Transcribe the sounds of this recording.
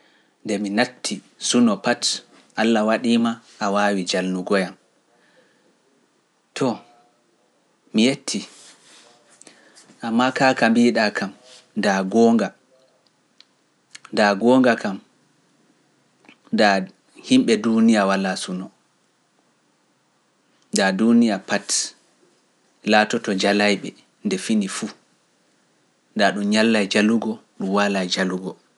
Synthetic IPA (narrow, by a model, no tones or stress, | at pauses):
ndɛminatʰːi | sunɔpat | ʔalːawaɗiːma | ʔːwaːwid͡ʒalnuɡɔjam | tʰɔ | mijetʰːi | ʔamːakakambiɗakam | daɡɔŋɡa | daɡɔːŋɡakam | da | himɓɛdunijawalasunɔ | dadunijapat | laːtɔtɔd͡ʒalajɓɛ | ndɛfinifu | ndaɗumɲalːajd͡ʒaluɡɔɗumwalajd͡ʒaluɡɔ